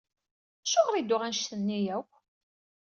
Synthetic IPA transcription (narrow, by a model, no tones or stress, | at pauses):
æʃoʁɾid̪ʊʁænʃθənːijæw